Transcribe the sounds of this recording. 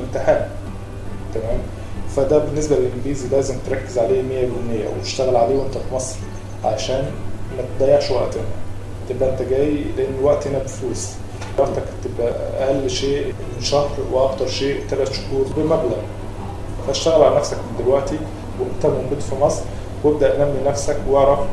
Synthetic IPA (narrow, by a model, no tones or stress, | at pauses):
ent̪eħæːn | t̪æmæːm | fæd̪æbenːes̬bælelʔɪnɡiːzilæːzemt̪ɾˤɑkːezʕaleːmejːæbolnːejːæ̰wet̪e̥ʃt̪æɣælʕaleːwʔent̪æfmɑsˤɾ | ʕa̰ʃæːnmæt̪ed̪æjːaʕʃwæ̰ʔt̪enæ | t̪ebʔæʔent̪æɡæːjleʔenːwæʔt̪henæbefluːs | ɑɾˤt̪ɑkt̪ebʔæ̰ʔæ̰ʔælːʃeːʔ | ʃɑhɾweʔɑɡt̪ɑɾˤʃeːʔt̪ælæt̪ʃo̥huːɾˤbemæblæɣ | fæeʃt̪æɣælʕalænæfsækmend̪elwæʔt̪i | weʔent̪æmomɡud̪fimɑsˤɾ | web̚d̪æʔnæmːinæfsækwɑʕɾˤɑf